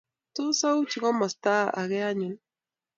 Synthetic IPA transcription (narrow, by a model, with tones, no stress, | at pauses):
tʊ˦sa˦u˦t͡ʃi˨ɣɔ˦mɔ˨staː˦˨a̰˨ɣɛ˦a˦ɲi˨˦n